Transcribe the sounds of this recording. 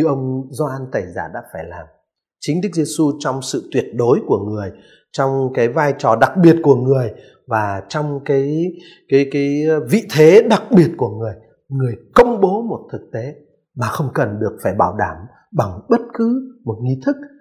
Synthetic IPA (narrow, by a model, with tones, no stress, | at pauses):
ɲɨ˧ʔə˧wŋ͡mzɔ˧ʔa˧nt̪ə˧˩jza̰ː˧˩ɗa̰ː˧˥faː˧˩jla̰ː˨˩m | t͡ɕï˨˦ŋ̟ɗɨ˦˥k̚ze˧su˧t͡ɕɔ˧wŋ͡msɨ̰˧˨t̪wi˨˩ət̚ɗo˨˦jku˧˩əŋɨ˨˩əj | t͡ɕɔ˧wŋ͡mkaː˨˦jvaː˧jt͡ɕɔ˨˩ɗa˨˩k̚ɓi˨˩ət̚ku˧˩əŋɨ˨˩əj | vaː˨˩t͡ɕɔ˧wŋ͡mkaː˨˦j | kaː˨˦jkaː˨˦jvḭ˧˨t̪ʰe˨˦ɗa˨˩k̚ɓi˨˩ət̚ku˧˩əŋɨ˨˩əj | ŋɨ˨˩əjkə˧wŋ͡mɓo˨˦mo˨˩t̚t̪ʰɨ˨˩k̚t̪e˨˦ | maː˨˩xə˧wŋ͡mkə˨˩nɗɨ˨˩ək̚faː˧˩jɓaː˧˩wɗaː˧˩m | ɓa˨˩ŋɓə˦˥t̚kɨ˨˦mo˨˩t̚ŋi˧t̪ʰɨ˦˥k̚